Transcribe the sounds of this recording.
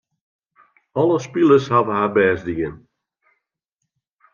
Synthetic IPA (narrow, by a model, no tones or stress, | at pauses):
ɔlˠəspilˠəshavəɦaːbɛːsdiən